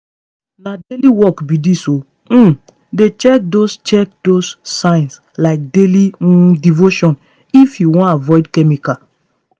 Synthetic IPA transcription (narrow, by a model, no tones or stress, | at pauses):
nadeliwɔkbidiso | m̩ | det͡ʃɛk̚dost͡ʃɛk̚dosːãɪ̃ns | laɪk̚delidivoʃɔ̃n | ifjuwɔ̃navɔɪdkɛmika